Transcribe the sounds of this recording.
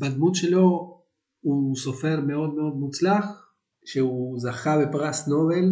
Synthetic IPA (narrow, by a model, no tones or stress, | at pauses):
bad̪mut̪ʃe̞lo̞ | huso̞fe̞ʁmeo̞d̪me̞o̞d̪mut͡slaχ | ʃeuzaχabepʁasno̞ve̞l